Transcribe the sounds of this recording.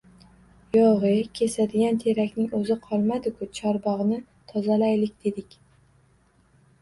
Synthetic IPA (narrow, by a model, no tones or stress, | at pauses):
jɒʁɨkʲʰe̞sad̪ɪɡʲant̪ʰe̞ɾakʲnɪŋɵzɪqʰɒlˠmad̪ɪkʰʊt͡ʃʰɒɾbɒʁnɪ | t̪ʰɒzalajlɪkʲd̪̥e̞d̪ɪkʲ